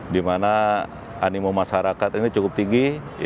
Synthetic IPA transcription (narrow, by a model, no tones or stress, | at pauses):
dimana | animomaʃaɾakat̪init͡ʃukʊp̚t̪iŋɡi